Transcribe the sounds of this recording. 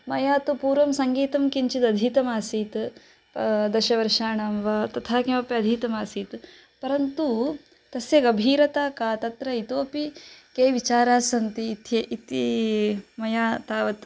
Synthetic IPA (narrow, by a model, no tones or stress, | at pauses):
mɐjaːt̪upuːɾʋɐmsɐŋɡiːt̪ɐmkiɲt͡ʃit̪ɐd̪ʱiːt̪ɐmaːsiːt̪ | d̪ɐʃɐʋɐɾʂaːɳɐmʋɐt̪ɐt̪ʰaːkɐmɐpjɐɐd̪ʱiːt̪ɐmaːsiːt̪ | pɐɾɐnt̪u | t̪ɐsjɐɡɐbʱiːɾɐt̪aːkaːt̪ɐt̪ɾɐit̪oːpikeːʋit͡ʃaːɾaːsɐnt̪iːt̪ɐit̪i | mɐjaːt̪aːʋɐt̪